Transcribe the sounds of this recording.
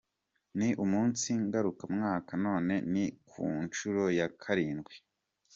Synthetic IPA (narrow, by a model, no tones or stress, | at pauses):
niʔumuːnsiŋɡaɾukamŋaːkano̞ːne̞nikʰṵːnt͡ʃuɾo̞jakʰaɾiːnɡwe